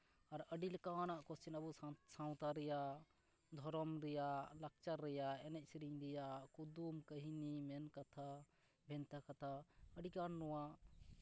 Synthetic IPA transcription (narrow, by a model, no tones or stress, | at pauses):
aɾəɖilkanaʔkɔst͡ʃinəbusaw̃t̪aɾɛja | d̪ʱɔɾɔmɾɛjalak̚t͡ʃaɾːɛjaɛnɛc̚sɾiɲɾɛjakud̪umkəɦinimɛnkat̪ʰa | bʱɛnt̪akat̪ʰaəɖikanːɔwa